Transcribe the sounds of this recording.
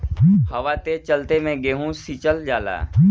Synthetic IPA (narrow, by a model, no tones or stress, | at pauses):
hɐʋaːt̪et͡ʃɐlt̪emɛ̃ɡeːɦũsit͡ʃəld͡ʒaːla̰ː